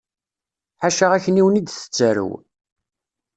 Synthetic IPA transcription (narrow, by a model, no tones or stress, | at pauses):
ħaʃaʁæçəniwənid̪θə̥t͡sːæɾə̰w